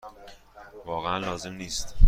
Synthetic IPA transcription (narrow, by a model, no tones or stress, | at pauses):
vɒːɣeænlɒːze̞mniːst̪